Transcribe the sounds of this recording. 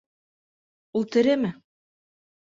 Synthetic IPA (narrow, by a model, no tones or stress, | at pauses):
ulˠt̪ɘ̆ɾɘmɘ